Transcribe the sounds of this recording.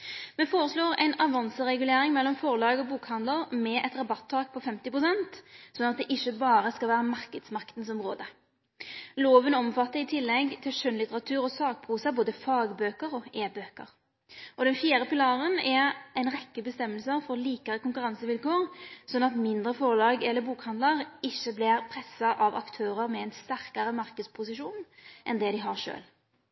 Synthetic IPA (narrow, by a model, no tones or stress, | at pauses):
mɛfoːɾəsloːʁæ̰ɪnɑʋɑnsəʁɛɡʉleːɾɪŋmɛlːɔmfɔʁlɑːɡɔbuːkhɑnd̪ləʁmɛʔɛt̪ʁɑbɑt̪ʰːɑːk̚pʰɔfɛmt̪ɪpʁʊsɛnt̪sɔnɑt̪̚d̪ɛʔɪçːəbɑːɾəskɑlʋæːʁəmɑʁkəd̪smɑkt̪n̩sɔmʁoːd̪ə | loːʋənɔmfɑt̪ːəɾɪt̪ʰɪlːɛɡt̪ʰɪlʂœnlɪt̪əʁɑt̪ʰʉːɾɔsɑːk̚pʰuːsɑboːd̪əfɑːɡbøːkəʁɔʔeːbøːkə̰ʁ | ɔd̪ɛnfjiːɾəpɪlɑːʁənɛʁɛɪnʁɛkːəbəst̪ɛmːəlsəʁfɔʁliːkɑʁəkʊŋkʉɾɑnsəʋɪlkoːʁsɔnːɑt̪mɪnd̪ʁəfɔʁlɑːɡɛlːəbuːkhɑnd̪ləʁɪçːəblɪʁpʰʁɛsɑʔɑʋɑ̰kt̪ʰøːʁəʁmɛɛɪnst̪æʁkɑʁəmɑʁkəd̪spʰʊsɪʃuːnʔɛnd̪ɛd̪ɪɦɑʁʂø̰ːl